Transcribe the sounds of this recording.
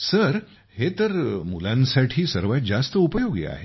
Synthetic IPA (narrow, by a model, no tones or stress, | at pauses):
səɾ | het̪əɾmṵlãnsaʈʰiːsəɾʋat̪̚d͡ʑast̪əupəjoɡij̰a̰ɦe